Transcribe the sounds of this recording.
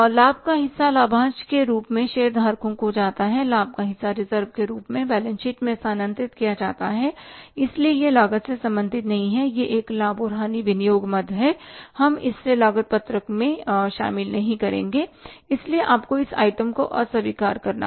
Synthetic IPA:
laːb̚ʱkaɦɪsːalaːbʱãːt͡ʃkeɾuːpmẽʃeːəɾd̪ʱaːɾkõkod͡ʒaːt̪aɦɛlaːb̚ʱkaɦɪsːaɾɪzəɾʋkeɾuːpmẽbɛːlə̃nʃɪʈmẽsaːnə̃nt̪ɾɪt̪kijad͡ʒa̰ːt̪aɦɛɪsliejelaːɡət̪sesɐ̃mbə̃nd̪ʱɪt̪nɐɦĩɦɛjeʔeːklaːboːɾɦaːniʋɪnijoːɡmɐd̪ʱɦɛhɐmɪ̰sselaːɡət̪̚pɐt̪ɾəkmẽʃa̰ːmɪlnɐɦĩkɐɾḛ̃ːŋɡeɪslieʔaːpkoɪsa̰ːɪʈəmkoʔɔ̰ːɾsɐʋiːkaːɾkɐɾna̰

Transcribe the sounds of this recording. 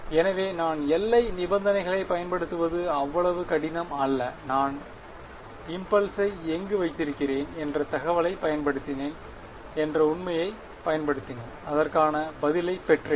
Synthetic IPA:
ɛnɐʋeːnaːnɛlːɐɪnɪbɐnd̪ɐnɐɪɣɐɭɐɪpɐjɐnpɐɽɯt̪ːɯʋɐðɯɐʋːɐɭɐʋɯkɐɽɪnɐmɐlːɐnaːn | ɪmpɐlsɐɪɛŋɡɯʋɐɪt̪ːɪɾɯkːɪreːnɛndrɐt̪ɐɣɐʋɐɭɐɪpːɐjɐnpɐɽɯt̪ːɪneːn | ɛndrɐʊɳmɐjɐɪ | pɐjɐnpɐɽɯt̪ːɪnenɐðɐrkaːnɐbɐðɪlɐɪpɛʈre

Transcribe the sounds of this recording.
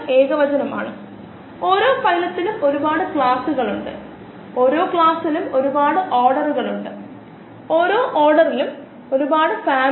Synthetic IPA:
e̞ːɣɐʋɐd͡ʑɐnɐma̰ːɳɨ | o̞ːɾo̞ːfɐjlɐt̪ːilumo̞ɾubaːɽɨkɭaːsuɣɐɭuɳɖɨ̰ | o̞ːɾo̞ːkɭaːsilumo̞ɾubaːɽɨʔoːrɽɐruɣɐɭuɳɖɨ | o̞ːɾo̞ːʔoːrɖɐrilum | o̞ɾubaːɽɨfaːm

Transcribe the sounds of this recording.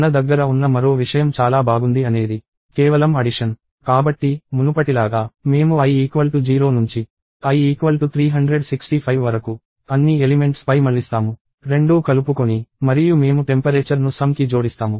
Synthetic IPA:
nɐd̪ɐɡːɐɾɐunːɐmɐɾo̞ːʋiʂɐjɐmt͡ʃaːlaːbʱaːɡund̪iɐne̞ːd̪i | kɛːʋɐlɐmɐɽiʂɐn | kaːbɐʈːimunupɐʈilaːɡaːme̞ːmuɐjiːkʋɐlʈud͡ʒiːɾo̞ːnuɲt͡ʃi | ɐjiːkʋɐlʈut̪ʰɾiːɦɐɳɖɾe̞ɖsiksʈipʰɐjʋʋɐɾɐku | ɐnːielime̞ɳʈspɐjmɐɭːist̪aːmu | ɾe̞ɳɖuːkɐlupukonimɐɾijume̞ːmuʈe̞mpɐɾeːt͡ʃɐɾnusɐmkid͡ʒo̞ːɽist̪aːmu

